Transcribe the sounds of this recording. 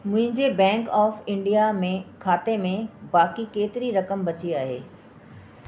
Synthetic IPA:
mʊ̃ɦɪ̃ɲd͡ʑebɛ̃ːŋkɔːfɪ̃ɳɖijamẽkʰaːt̪emẽbaːkikeːt̪ɪɾiɾɐkəmbɐt͡ɕiaːɦḛː

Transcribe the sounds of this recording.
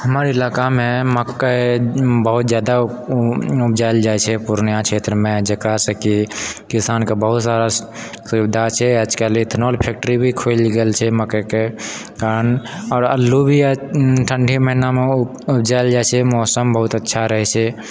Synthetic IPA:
həməɾɪlaːkamẽməkkebəɦut̪zjad̪a | ubd͡ʒajld͡ʒajt͡ʃʰɛpuɾnjãt͡ʃʰeːt̪ɾəmẽd͡ʒəkasekikisaːnkebəɦut̪saɾa | subid̪ʱat͡ʃʰɛəd͡ʒkelit̪ʰnolpʰeːk̚ʈəɾibʱikʰolɡelt͡ʃʰɛməkeke | kaːɾənɔːɾə̰lːubʱiʈʰəɳɖʱiməɦiname | ubd͡ʒaɪld͡ʒaɛt͡ʃʰɛmɔːsəmbəɦut̪ətːʃʰaɾəɦɛt͡ʃʰɛ

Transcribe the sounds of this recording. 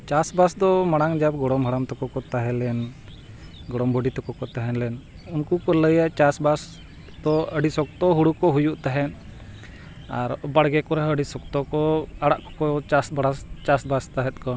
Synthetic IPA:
t͡ʃasbasd̪ɔmaɽaŋd͡ʒab̚ɡɔɽɔmɦəɽamt̪ɔkɔkɔt̪aɦɛlɛn | ɡɔɽɔmbʱɔɖit̪ɔkɔkɔt̪aɦɛnlɛn | unkukɔləjaʔt͡ʃasbas | d̪ɔəɖisɔk̚t̪ɔɦuɽukɔɦujuʔt̪aɦɛn | aɾbaɽɡɛkɔɾaəɖisɔkt̪ɔkɔaɽaʔkɔ̥kɔt͡ʃasbaɽast͡ʃasbast̪aɦɛt̪̚kɔ

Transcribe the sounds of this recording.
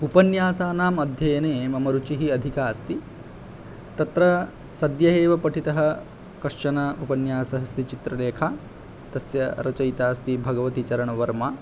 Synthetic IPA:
upɐnjaːsaːnaːmɐd̪ʱjɐjɐneːmɐmɐɾut͡ʃiɦiɐd̪ʱikaːst̪i | t̪ɐt̪ɾɐ | sɐd̪jɐɦeːʋɐpɐʈʰit̪ɐɦɐ | kɐʂt͡ʃɐnɐupɐnjaːsɐɦɐst̪it͡ʃit̪ɾɐleːkʰa | t̪ɐsjɐɾɐt͡ʃɐjt̪aːst̪ibʱɐɡɐʋɐt̪it͡ʃɐɾɐɳɐʋɐɾmaː

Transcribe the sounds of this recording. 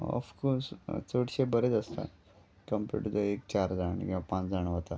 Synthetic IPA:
ə̰fkost͡səʈɕebəɾet͡səst̪a̰ | kəmpṵʈd̪əek̚t͡ɕaɾd͡zaɳ̰ɡipãt͡sd͡zaɳʋət̪a

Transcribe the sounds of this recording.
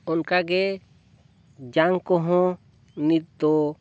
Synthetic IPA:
ɔnkaɡɛ | d͡ʒaŋkɔɦɔ̃ | nit̪̚d̪ɔ

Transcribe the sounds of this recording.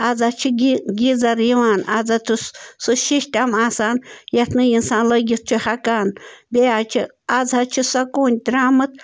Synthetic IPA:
ɐd͡zat͡ʃʰiɡid͡zɐɾjiʋaːnad͡zat̪ʰusuʃiʃʈʲamaːsaːnjɐt̪ʰnɨjinsaːnlɐɡit̪̚t͡ʃʰuhɐkaːnb̪eaːt͡ʃʰi | ad͡zʱɐt͡ʃʰisɐkuːnʲd̪ɾaːmɨt̪

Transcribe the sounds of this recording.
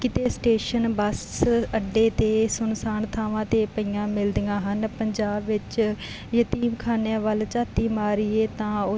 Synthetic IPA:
kɪt̪eːsʈeːʃənbəsəɖːeːt̪eːsʊnsaːnt̪ʰaːʋãːt̪eːpəiːãːmɪld̪jãːɦənpəɲd͡ʒaːbʋɪt͡ʃ | jət̪iːmkʰaːnejãːʋəlt͡ʃaːt̪iːmaːɾiːeːt̪ãːʊ

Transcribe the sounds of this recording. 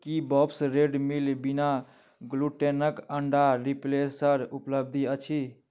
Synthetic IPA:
kibɔpsɾeɖmilbina | ɡluʈenəkəɳɖaɾiplesəɾupləb̚d̪ʱiət͡ʃʰi

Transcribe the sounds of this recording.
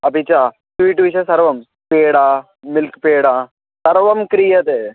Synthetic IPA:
ɐpit͡ʃaː | sʋiːʈːʋiʃɐsɐɾʋɐm | peːɽaː | mɪlkpeːɽaː | sɐɾʋɐmkɾijɐt̪e

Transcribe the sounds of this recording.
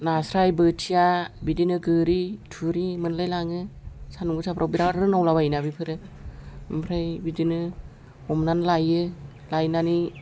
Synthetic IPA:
nasɾajbɯtʰijabidinɯɡɯɾitʰuɾimɯnlajlaŋɯsanuɡɯsapʰɾʔawbiɾaɾɾɯnawlaβainabipʰɯɾɯ | ɯmpʰɾajbidinɯ | hɔmnanlajɯ | lajnani

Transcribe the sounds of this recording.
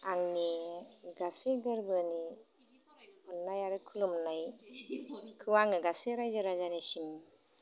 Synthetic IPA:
aŋniɡasɯɡɯɾbɯni | ɔnːajaɾɯkʰulumnaj | kʰɯwaŋɯɡasɯɾajzɯɾazanesim

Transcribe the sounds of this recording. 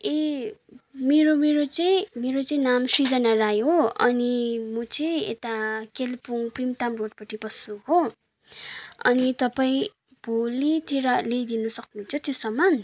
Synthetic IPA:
e | meɾomeɾot͡sʌĩmeɾot͡sʌĩnamsrid͡zʌnarajoʌ̰nimʌt͡sʌĩḛt̪akelpuŋprimt̪amroʈ̚pʌʈipʌsuɦo | ʌ̰nit̪ʌpaĩ | b̥ʱolit̪iɾʌled̪inʌsʌk̚nuɦunt͡sʰʌt̪josʌmːan

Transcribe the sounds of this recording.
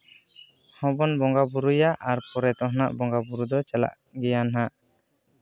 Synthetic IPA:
hɔ̃bɔnbɔŋɡabuɾujaʔaɾpɔɾɛt̪ɔɦɔna̰ʔbɔŋɡabuɾud̪ɔt͡ʃala̰ʔ | ɡɛjanɦaʔ

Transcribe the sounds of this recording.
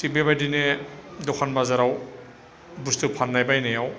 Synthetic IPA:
sibebajdinedɔkʰanbazaɾaw | bustupʰanːajbajnajaw

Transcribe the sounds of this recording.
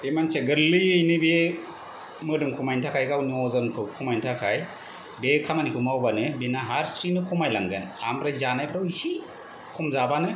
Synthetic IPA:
emanseɡɯɾlɯjɯjnɯbe | mɯdɯŋkʰumajntʰakʰajɡawniɔzɯnkʰɯkʰumajntʰakʰaj | bekʰamanikʰɯmawbanɯbenaɦaɾsɾinɯkʰumajlaŋɡḛna̰mɾajzanajpʰɾawisi | kʰumzabanɯ

